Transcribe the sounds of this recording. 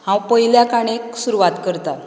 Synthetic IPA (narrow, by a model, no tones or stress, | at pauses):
hãwpəɦiljakaɽ̃eksuɾuʋat̪kəɾt̪a